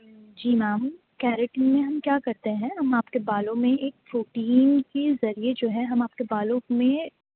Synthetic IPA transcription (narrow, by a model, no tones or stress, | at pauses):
d͡ʒiːmaːm | kɛːɾɪʈənmẽɦɐmkjaːkɐɾt̪eɦɛ̃ɦɐmaːpkebaːlõmẽʔeːk̚foːʈiːnkezɐɾied͡ʒoːɦɛɦɐmaːp̚kebaːlõmẽ